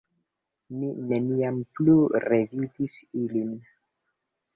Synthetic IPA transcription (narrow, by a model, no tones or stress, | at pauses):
mineniampluɾe̞vidisilin